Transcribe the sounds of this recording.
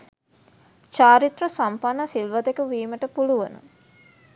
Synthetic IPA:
t͡ʃaːɾit̪rɐsampanːɐsilʋɐd̪ekuʋiːməʈəpuluʋənṵ

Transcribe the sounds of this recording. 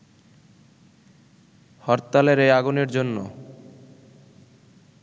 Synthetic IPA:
hɔɾt̪ːaleɾejaɡuneɾd͡ʑonːo

